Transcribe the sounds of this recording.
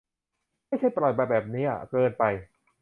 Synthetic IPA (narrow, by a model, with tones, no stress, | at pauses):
ma˥˩jt͡ɕʰa˥˩jpɾlɔ˨˩bɛː˨˩bɛː˨˩p̚nḭː˦˥kɤː˧npa˧j